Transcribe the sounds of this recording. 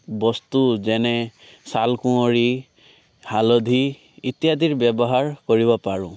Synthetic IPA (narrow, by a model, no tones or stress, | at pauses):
bɔst̪ud͡ʒene | salkũɔɽi | halɔd̪ʱi | it̪jad̪ʱiɾbjɔbɔɦaɾkɔɾibɔpaɹũ